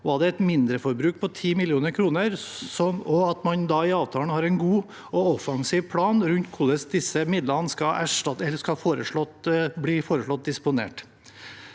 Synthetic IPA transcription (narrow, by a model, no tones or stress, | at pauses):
ʋɑɖɛɛt̪mɪnd̪ɾəfɔɾbɾʉːk̚pʰɔt̪ʰiːmɪlɪuːnəɾkʰɾuːnəɾsɔnɔɑt̪mɑnd̪ɑɪɑːʋt̪ʰɑːlɳhɑːɾɛɪnɡuː | ɔɔfɑŋsiːʋpʰɽɑːnɾʉnt̪kʰʊɭəsd̪ɪsəmɪd̪lənəskɑæʂʈɑt̪ɛlːəʂkɑɑfoːɾəʂɭɔt̪bliːfoːɾəʂɭɔt̪̚d̪ɪspʊnḛːʈ